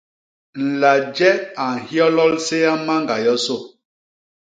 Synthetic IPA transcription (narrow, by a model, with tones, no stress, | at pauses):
n̩˨la˨d͡ʒɛ˦a˨ŋ̩˨hjɔ˦lɔ˦lse˦ja˦ma˦ŋ˨ɡa˨jɔ˦so˦˨